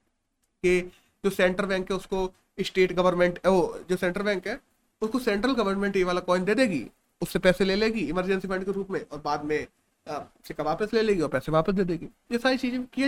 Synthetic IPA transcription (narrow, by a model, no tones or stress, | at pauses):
ke | d͡ʒoːsɛ̃ːɳʈəɾbɛ̃ːŋkɦɛʊsko | ɪsʈeːʈɡɐʋəɾnmẽɳʈɛoːd͡ʒoːsɛ̃ːɳʈəɾbɛ̃ːŋkɦɛː | ʊskosɛ̃ːɳʈɾəlɡɐʋəɾnmẽɳʈeʋaːlakɔːɪnd̪eːd̪eːɡḭː | ʊsːepɛːseleːleːɡiɪməɾd͡ʒɛ̃nsifɐ̃ɳɖkeɾuːpmẽʔɔːɾbaːd̪mẽ | sɪkaʋaːpəsleːleːɡiɔːɾpɛːseʋaːpəs̬d̪eːd̪eːɡiː | jesaːɾit͡ʃiːzẽki